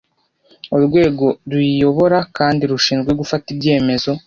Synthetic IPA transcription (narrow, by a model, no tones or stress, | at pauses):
ouɾɡwe̞ːɡo̞ɾwijo̞βo̞ɾakaːndiɾuʃiːnzɡweɡufatibɟe̞ːme̞zo̞